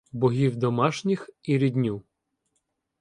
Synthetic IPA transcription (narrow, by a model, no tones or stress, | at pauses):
bɔɦʲiwd̪ɔmɑʃnʲixiɾʲid̪ʲnʲu